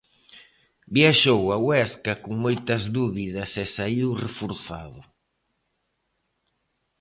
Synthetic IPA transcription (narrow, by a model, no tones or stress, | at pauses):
bjaʃowawɛskɐkʊŋmojt̪ɐzðuβiðɐsɛsaiwrefoɾθa̰ðʊ